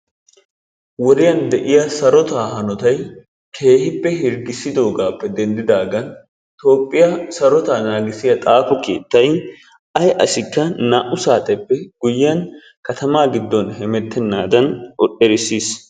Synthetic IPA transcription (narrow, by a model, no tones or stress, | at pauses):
wɔɾɪjɐnd̪ɛʔɪjɐsɐɾɔt̪aːhɐnɔt̪ɐj | kʰe̞ːhɪpːɛhɪɾɡɪsːɪd̪o̞ːɡaːpːɛd̪ɛnd̪ɪd̪aːɡɐn | t̪o̞ːpʼːɪjɐsɐɾɔt̪aːnaːɡɪsɪjɐt̪ʼaːkɔkḛːt̪ːɐj | ʔɐjʔɐsɪkːɐnaːʔʊsaːt̪ʼɛpːɛɡ̥ʊjːɐn | kɐt̪ɐmaːɡɪd̪ːɔnhɛmɛt̪ʰːɛnːaːd̪ɐnɔʔʼɛɾɪsːiːs